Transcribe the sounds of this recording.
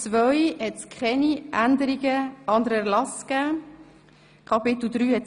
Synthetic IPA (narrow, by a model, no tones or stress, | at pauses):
t͡sʋœʏhɛtskʰχɛniʔænd̪əɾiɡəɑnd̪əɾɛɾlɑskæː | kʰɑpɪt̪l̩d̪ɾyːhɛt